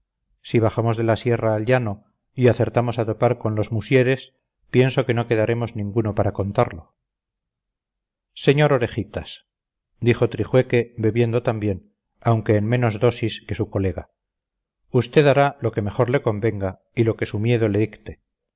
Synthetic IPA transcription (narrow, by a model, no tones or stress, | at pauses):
siβ̞aχamo̞zðe̞lasje̞raːlʝano̞ | iaθe̞ɾt̪amo̞sat̪o̞paɾko̞nlo̞zmusje̞ɾe̞s | pje̞nso̞ke̞no̞ke̞ðaɾe̞mo̞znĩŋɡuno̞paɾako̞nt̪aɾlo̞ | se̞ɲo̞ɾo̞ɾe̞xit̪as | d̪ixo̞t̪ɾixwe̞ke̞βe̞βje̞nd̪ot̪ambje̞n | awŋke̞ːnme̞no̞zðo̞siske̞suko̞le̞ɣa | ust̪e̞ðaɾalo̞ke̞me̞χo̞ɾle̞ko̞mbe̞ŋɡa | ilo̞ke̞sumje̞ðo̞le̞ðikt̪e̞